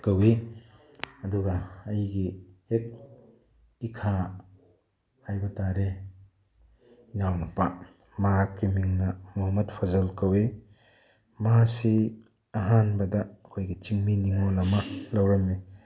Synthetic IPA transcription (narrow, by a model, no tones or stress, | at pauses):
kɐwe | ɐduɡɐːjɡihek̚ | ikʰa | hajbɐtaɾe | inawnɐpa | makimiŋnɐmuɦamɐt̚pʰɐzɐlkɐwe | masi | ɐɦanbɐdɐːkʰojɡit͡ʃiŋminiŋolɐmɐlɐwɾɐmːi